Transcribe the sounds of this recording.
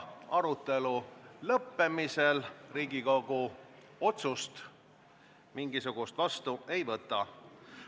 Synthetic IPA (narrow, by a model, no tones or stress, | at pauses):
ɑɾut̪ːˑe̞lulɤpːe̞miselriːɡikoɡu | o̞t̪sust̪ | miŋɡisuɡ̥ust̪vɑst̪ue̞jvɤt̪ːˑɑ